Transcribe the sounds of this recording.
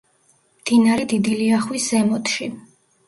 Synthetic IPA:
md̪̥inaɾɛd̪id̪iliaχwiszɛmɔt̪ʰʃi

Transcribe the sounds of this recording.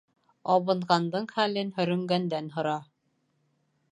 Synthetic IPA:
ɑβɤ̆ɴʁɑnd̪ɤɴχælɘnhɵ̆ɾɵ̆ŋɡænd̪ænɦŏɾɑ

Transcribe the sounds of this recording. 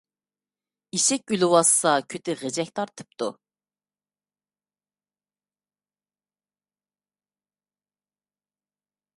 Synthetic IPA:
iʃɛkʲylɪwɑsːɑkʲʰøt̪ɪʁed͡ʒɛk̚ʲt̪ʰɑɾt̪ʰɨ̥p̚t̪ʰu

